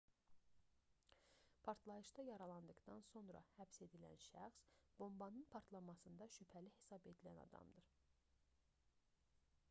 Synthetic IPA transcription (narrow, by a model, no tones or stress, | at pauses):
pʰɑɾt̪ʰlˠɑjɯʃd̪ɑjɑɾɑlˠɑnd̪ɯɡd̪ɑnso̞nɾɑ̰hæbse̞d̪ilæ̰nʃæxsb̥o̞mbɑnɯnpʰɑɾt̪ʰlˠɑmɑsɯnd̪ɑʃypʰælihe̞sɑbe̞d̪ilænɑ̰d̪ɑ̰md̪ɯɾ